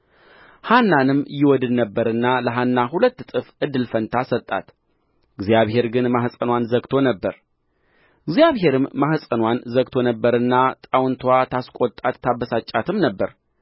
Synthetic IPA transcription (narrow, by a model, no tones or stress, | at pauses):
hanːanɨmjɪwɔd̪ɨd̪nəbːəɾɨnːaləɦanːaɦulət̪ːt̪ʼɨfʔɨd̪ːɨlfənt̪ʰasət̪ʼːa̰t̪ | ɡzjaβhe̞ɾɡɨnmahsʼənwanzəɡt̪ʰo̞nəbːəɾ | ɡzjaβɦe̞ɾɨmːahsʼənwanzəɡ̚t̪ʰo̞nəbːəɾɨnːat̪ʼawnt̪ʰwat̪ʰaskʷʼot̪ʼːat̪ːabːəsat͡ʃʼat̪ʰɨmnəbːəɾ